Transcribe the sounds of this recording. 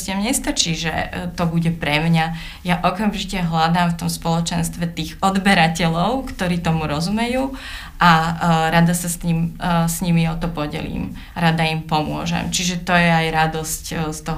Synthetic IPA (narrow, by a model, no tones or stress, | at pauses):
cɛmɲɛst̪at͡ʃiːʒɛ̰t̪ɔbuɟɛpɾɛmɲa | jaʔɔkamʒicɛɦlad̪aːmft̪ɔmspɔlɔt͡ʃɛnst̪ʋɛt̪iːɣɔd̪bɛɾacɛlɔʊkt̪ɔɾiːt̪ɔmuɾɔzumɛjuː | ʔaɾad̪asast̪ɲimsɲimiɔt̪ɔpɔɟɛ̰lḭːm | aɾad̪aimpɔmʊɔ̰ʒɛ̰mt͡ʃiʒɛt̪ɔjɛajɾad̪ɔscst̪ɔɦ